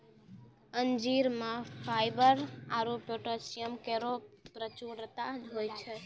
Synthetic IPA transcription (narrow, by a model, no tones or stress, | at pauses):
ənd͡ʒiɾmãfʰajbəɾaɾopjoʈosijəmkeɾopɾət͡ʃuɾt̪ad͡ʒojt͡ʃʰe